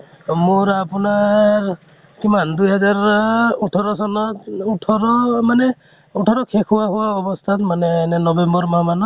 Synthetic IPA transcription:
muɹapunaɹ | kimandujɦɛzaɹuʈʰɔɾɔsɔnɔuʈʰɔɹɔmanɛ | uʈʰɔɾɔkʰekʰuwaɦuwaɔbɔst̪ʰat̪manɛnɛnɔbembɔɹmamanɔ

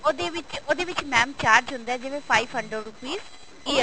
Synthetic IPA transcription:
od̪eʋɪt͡ʃod̪eːʋɪt͡ʃmɛ̃ːmt͡ʃaːɾd͡ʒɦʊnd̪aɛːd͡ʒɪʋẽːpʰaːiʋɦəɳɖɾəɖɾupiːz | iːə

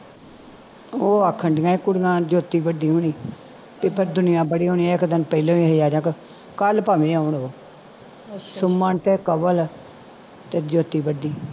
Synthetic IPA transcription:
oːakʰəɳɖɪjãːẽkʊɽnãːd͡ʒoːt̪iːbəɖiːɦoːɳ̃iː | pɪpʰɪɾd̪ʊnɪjãːbəɽiːɦoːniːãːɪkd̪ɪnpəilõːiɦəijaːd͡ʒãːk | kəlpaːʋẽːaʊɳoː | sʊmːãːnʈ̪eːkəbəl | t̪eːd͡ʒoːt̪iːbəɖiː

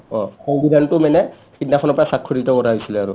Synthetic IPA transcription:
ɔxɔŋbidantʊmanɛ | xitnakʰɔnɔpɔɹasakʰːɔɾitɔkɔɾaɦɔjsilɛaɹṵ

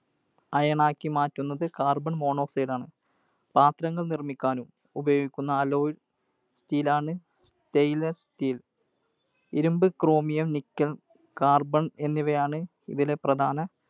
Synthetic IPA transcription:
ɐjɐɳaːkːimaːtːunːɐðɨkaːrbɐɳmo̞ːɳo̞ːsɐjɖaːɳɨ | paːt̪ɾɐŋːɐɭnirmikʲːaːnum | ubɐjo̞ːɡikʲːunːɐːlo̞ːjiɖ | stiːlaːɳɨ | s | tejlestiːl | iɾumbɨkro̞ːmijɐmnikːɐl | kaːrbɐɳe̞nːiʋɐjaːɳɨ | ḭðile̞prɐd̪ʱaːnɐ

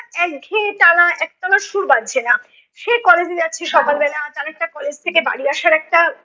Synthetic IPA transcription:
ɛkɡʱeʈanaʔɛk̚t̪anaɾʃuɾbad̪̚t͡ɕʰena | ʃekɔled͡ʑeat͡ɕʰeʃɔkalbɛnat̪anaɛk̚ʈakɔled͡ʑt̪ʰekeba̰ɽiaʃaɾɛk̚ʈa

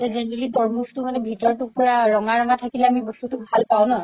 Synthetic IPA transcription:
tɛzɛnɛɹelitɔɹmustʊmanɛbʱitɔɹtupʊɹaɹɔŋaɹɔŋatʰakilɛamibɔstutʊbʱalpaw̃nɔɦ

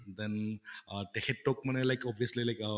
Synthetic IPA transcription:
d̪ɛ̃nʌt̪eheʈʈːok̚mənelaɪkɔbiəslilaɪkə

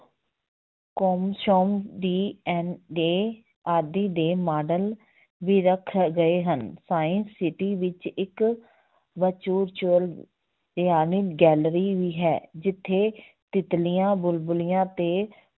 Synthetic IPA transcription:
koːmʃoːmd̪iːɛneː | aːd̪iːd̪eːmaːɖəl | ʋiːɾəkʰɡəeːɦənsaːɪ̃nsːɪʈiːʋɪt͡ʃɪk | ʋət͡ʃuːɾt͡ʃəl | aːniːɡɛːlɾiːʋiːɦɛːd͡ʒɪt̪ʰːeː | t̪ɪt̪lijãːbʊlbʊlɪjãːt̪eː

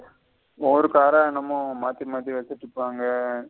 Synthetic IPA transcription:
oːɾɯkaːɾɐnɐmːɐ̃maːt̪imaːt̪ɾiʋɐsɪʈːɯpːaːŋɡɐ

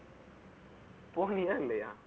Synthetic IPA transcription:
ponijaŋleja̰

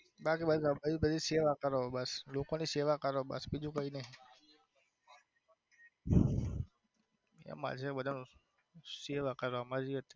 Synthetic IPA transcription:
bakibəsbəibəd̪ʱiseʋakəɾobəslokoniseʋakəɾobə̰sbid͡ʒũkəine | ḛma̰d͡ʒʰeɓəd̪ʱanũ | seʋakəɾamad͡ʒiɦət̪e̥

